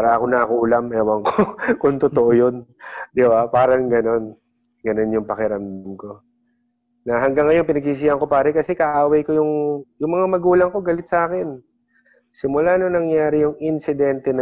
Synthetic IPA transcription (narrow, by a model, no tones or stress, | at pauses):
paːɾɐʔɐkonɐkulɐmɛːwɐŋkokʊnt̪ot̪oʔojo̞nd̪ɪbapaːɾɐŋɡɐno̞n | ɡɐno̞njʊŋpɐkɪɾɐmd̪ɪmko̞ | nɐɦɐŋɡaŋːɐjoŋpɪnɐɡ̚siːs̬ihɐŋko̞paːɾɐkɐsɛkɐʔaːwɐjkojʊŋjʊŋmɐŋamɐɡuːlɐŋko̞ɡɐlɪt̪̚sʔaːkɪn | sɪmʊlanonɐŋjaːɾɪjʊŋɪnsɪd̪ɛnt̪ɛnɐ